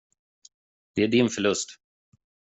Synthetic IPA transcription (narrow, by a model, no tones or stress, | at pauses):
d̪̥ɛæɖɪnfœɭɵst̪